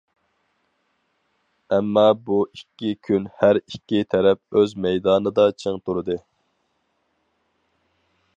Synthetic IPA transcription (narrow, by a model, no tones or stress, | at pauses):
ɛmːɑbuikʲːikʲʰynhæɾikʲːit̪ʰɛɾɛp̚øzmɛjd̪ɑːnɨd̪ɑt͡ʃʰeŋt̪ʰuɾɨd̪ɨ